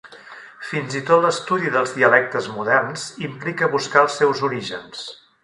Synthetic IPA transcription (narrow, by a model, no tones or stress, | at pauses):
finzit̪ot̪ləst̪uðiðəlˠzðiəlɛk̚t̪əzmuðɛrnz̥implikəβuskaəlˠsːɛwzuɾiʒə̰ns